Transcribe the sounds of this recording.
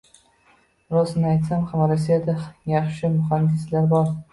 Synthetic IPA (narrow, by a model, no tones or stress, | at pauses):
ɾɒsɪnɪajt̪samχamalasijat̪ʰɪjɑχʃɪmʊχand̪ɪslaɾbɒɾ